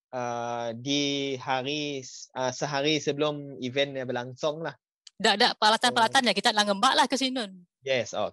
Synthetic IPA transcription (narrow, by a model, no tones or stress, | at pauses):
ʔədihaɾiəsəɦaɾisəbəlʊmivɛnjabəlaŋsʊŋlah | daʔdaʔpəɾalat̪anpəɾalat̪anjakit̪aʔlaŋəmbaʔlahkəs̬inʊn | jɛso̰